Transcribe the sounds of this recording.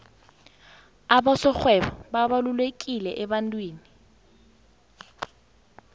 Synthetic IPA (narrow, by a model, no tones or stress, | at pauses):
abasɔk͡xʰwɛbɔbabalʊlwekʼilɛʔɛbantʼweːni